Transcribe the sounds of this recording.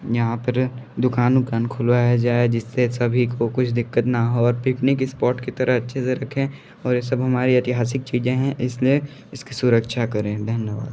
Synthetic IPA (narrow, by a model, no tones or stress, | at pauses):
jɐɦãpɐɾd̪ʊkaːnʊkaːnkʰʊlʋaɛad͡ʒaːed͡ʒɪsːesɐbʱikokʊt͡ʃʰd̪ɪkːət̪nɐɦoɔːɾpɪknikɪspɔːʈkit̪ɐɾʔəɦɐtːʃʰeseɾɐkʰẽ | ɔːɾjesɐbɦɐmaːɾiɐt̪ɪɦaːsɪk̚t͡ʃiːd͡ʒẽɦɛ̃ʔɪslie | ɪskisʊɾəkʃakɐɾẽːd̪ʱɐnjəʋa̰ːd̪